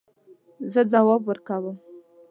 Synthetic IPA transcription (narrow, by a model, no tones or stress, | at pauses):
zəd͡zawɑbwəɾkawəm